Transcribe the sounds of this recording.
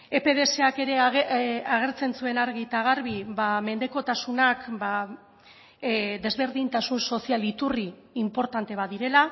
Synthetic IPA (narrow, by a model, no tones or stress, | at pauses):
e̞pe̞ðe̞se̞ake̞ɾe̞ | aɣ̞e̞ɾt͡se̞nsue̞naɾɣit̪aɣ̞aɾβiβame̞nd̪e̞ko̞t̪asunakba | d̪e̞zβe̞ɾðint̪asunso̞sialit̪uriː | mpo̞ɾt̪ant̪e̞β̞aðiɾe̞la